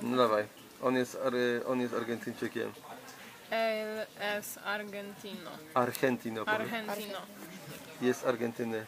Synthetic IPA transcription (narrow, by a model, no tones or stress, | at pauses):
nlavaj | ɔnɛsɾʔɔnjɛsaɾɡɛnt̪int͡ʃɛkjɛ̰m | ɛlɛs | aɾɡɛnt̪ino̰aɾxɛnt̪inoɔɾɛnt̪ino | jɛsaɾɡɛnt̪inə